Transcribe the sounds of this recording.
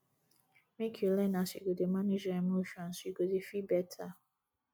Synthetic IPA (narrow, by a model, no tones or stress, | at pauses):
mekʰolɛ̃nãsḭɡodemãned͡ʒaɛmoʃuãn̩siɡodefibɛtʰa